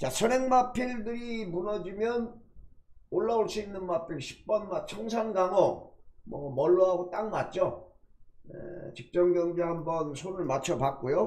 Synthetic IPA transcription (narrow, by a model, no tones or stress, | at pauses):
t͡ɕasʰʌneŋmapʰiɭdɯɾimunʌd͡ʑimjʌn | oɭːaoɭs͈uinːɯnmapʰiɭɕʰi̥k̚p͈ʌnmat͡ɕʰʌŋs̬ʰaŋɡaŋʌmʌmʌɭːuɦaɡot͈aŋmat̚t͡ɕ͈o | jḛt͡ɕik̚t͡ɕ͈ʌmɡjʌŋɡeɦambʌnsʰonɯɭmat͡ɕʰʌpak̚k͈ojo